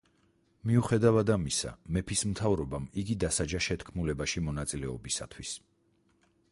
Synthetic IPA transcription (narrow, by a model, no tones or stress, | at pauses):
miuχɛd̪avad̪amisa̰mɛpʰismt̪ʰavɾɔbamiɡid̪asad͡ʒaʃɛt̪ʰkʰmulɛbaʃimɔnat̪sʼilɛɔbisa̰t̪ʰwis